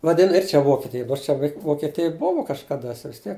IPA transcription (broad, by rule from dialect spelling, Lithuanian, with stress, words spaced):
ʋɐˈdʲɪn ɪr ˈt͡ʃʲɛ ˈʋoːkʲɪtʲɪj ˈnoːrs t͡ʃʲɛ ʋʲɛɪ ʋoːkʲɛˈtʲɪj ˈbʊʋʊ kɐʃkɐˈdɐ sʲɛ ʋʲɪs ˈtʲiɛk